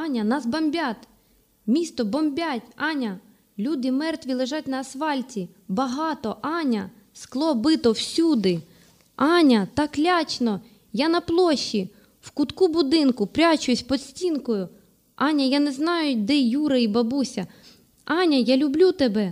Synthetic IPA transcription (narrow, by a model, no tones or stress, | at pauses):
ɑnʲɐnɑsbɐmʲbʲat̪ | mʲist̪ɔbɔmbʲatʲɑnʲɐ | lʲud̪ɪmɛrt̪ʋʲilˠeʒɑtʲnɐːsʋɑlʲtʲi | bɐɦɑt̪ɔʔɑnʲɐ | sklˠɔbɪt̪ɔwsʲud̪ɪ | ɑnʲɐt̪ɑklʲat͡ʃnɔ | janɐplˠɔʃːi | wkʊt̪kubʊd̪ɪnkʊpɾʲat͡ʃʊjʊsʲpɔd̪sʲtʲinkɔjʊ | ɑnʲɐjanɛznɑjʊd̪ɛjuɾɐibɐbusʲɐ | ɑnʲɐjalʲʊblʲut̪ebɛ